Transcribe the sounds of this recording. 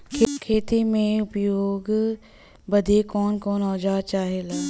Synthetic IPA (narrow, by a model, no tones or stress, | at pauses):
kʰkʰeːt̪imẽʊpjoːɡ | bəd̪ʱekɔːnkɔːnɔːd͡ʒaːt͡ʃaːɦelaː